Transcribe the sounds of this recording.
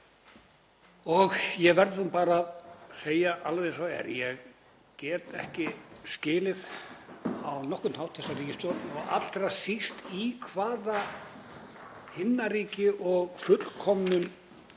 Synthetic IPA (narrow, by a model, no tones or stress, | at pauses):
ɔɣjɛɣvɛɾðhunpaːɾaːðseːjaʔalvejnsaɛ̰ɾjɛɣ | cɛːt̪ɛ̰hcɪscɪːlɪð | awnɔhkʏnhawht̪θɛsːaɾiːcɪst̪ɔɔɣa̰t̪ːɾasist̪ikʰvaːða | hɪnːaɾiːcɪʔɔɣfʏt̪l̥kʰɔmnʏn